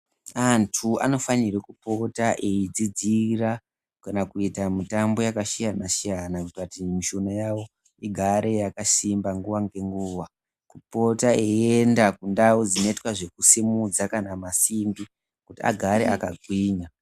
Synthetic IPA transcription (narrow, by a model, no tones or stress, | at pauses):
antʰua̰no̞faniɾekupo̞taʔeid͡zid͡zira | kanakuitamitambo̞jakaʃijanasijanakutatimiʃonajawo̞ | iɡʱaɾe̞jakasimbaŋɡuʋaŋɡe̞ŋɡuːʋa | kupo̞taeendakundaud͡zinoitwaʐe̞kusimud͡zakanamasimbi | kutia̰ɡʱaɾeʔakaɡʱwiːɲa